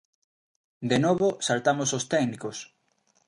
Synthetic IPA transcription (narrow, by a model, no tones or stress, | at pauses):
d̪enoβosalt̪amosost̪ɛknikos